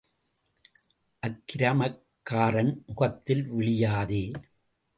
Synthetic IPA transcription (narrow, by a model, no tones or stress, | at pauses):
ʔɐkːɪɾɐmɐkːaːɾɐnmʊɣɐt̪ːɪlʋɪɭɪjaːðeː